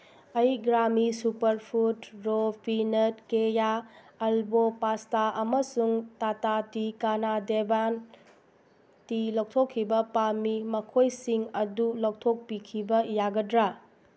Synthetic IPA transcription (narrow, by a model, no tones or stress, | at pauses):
ɐjɡɾamisupɐɾpʰutɾopʰinɐtkeja | ɐlbopastaʔɐmɐsuŋtatatikanadeban | tilok̚tʰokʰːibɐpamimɐkʰojsiŋɐdulow̚tʰok̚pikʰibɐjaɡɐdɾa